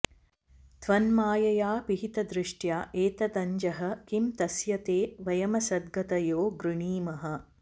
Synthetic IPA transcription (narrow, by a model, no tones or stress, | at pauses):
t̪ʋɐnmaːjɐjaːpiɦit̪ɐd̪ɾɪʂʈjaːʔeːt̪ɐt̪ɐɲd͡ʒɐɦɐ̆kimt̪ɐsjɐt̪eːʋɐjɐmɐsɐd̪̚ɡɐt̪ɐjoːɡɾuɳiːmɐɦɐ̆